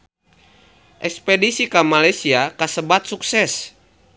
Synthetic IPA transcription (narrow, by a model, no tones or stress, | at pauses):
ʔɛkspɛdisikamalajsiakasəbat̪̚suksɛs